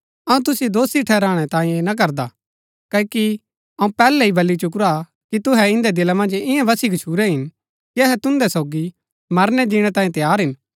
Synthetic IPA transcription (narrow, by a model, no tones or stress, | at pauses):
ɐũt̪̬ʊsid̪oːsiʈʰɛːɾãːɽ̃ɛt̪ãːĩjẽnɐk̬ɐɾd̪a | kɐki | ɐũpɛːlɛibʱɐlːit͡ʃʊk̬ɾa | kit̪ʊɦɛɪ̃nd̪ɛd̪ɪlamɐ̃nd͡ʒɪ̃jãʋɐsiɡɐt͡ʃʰuːɾɛɦɪn | kiɐɦɛt̪ʊ̃nd̪ɛsoːɡi | mɐɾnɛd̪iːɽ̃ɛt̪aːiẽt̪ɐjaːɾɦɪn